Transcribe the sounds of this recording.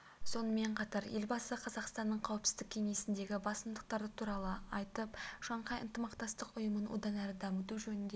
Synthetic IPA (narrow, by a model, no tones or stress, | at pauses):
so̞nəme̞ɴqʰɑt̪ɑɾje̞lbɑsəqʰɑzɑqst̪ɑnːəɴqʰɑwɪpsɪ̥zd̪ɪkʲʰe̞ŋe̞sɪnd̪e̞ɡʲɪbɑsəmd̪əq̚t̪ɑɾd̪ət̪ʰuɾɑlˠəɑjt̪əpʃɑɴqɑjə̰nt̪əmɑqt̪ɑst̪əqʊjəmənwʔo̰d̪ɑnæɾɪd̪ɑmət̪uʒɵnɪnd̪e